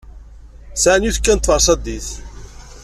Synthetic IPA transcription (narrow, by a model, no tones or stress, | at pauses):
sʕanjuθkːænt̪ːˤfəɾˤsˤɑd̪iθ